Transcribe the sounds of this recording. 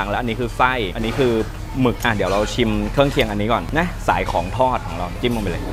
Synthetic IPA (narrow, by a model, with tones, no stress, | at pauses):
ŋlɛ˦˥ʔa˧nːiː˦˥kʰɯː˧sa˥˩jʔa˧nːiː˦˥kʰɯː˧ | mɯ˨˩k̚ʔa˧˩di˩˦əwɾa˧wt͡ɕʰi˧mkʰɯ˥˩əŋkʰi˧əŋʔa˧nːiː˦˥kɔː˨˩nna˦˥sa̰ː˩˦jkʰɔː˩˦ŋt̪ʰɔː˥˩t̪̚kʰɔː˩˦ŋɾa˧wt͡ɕi˧˩ma˧m˧˩lɤː˧j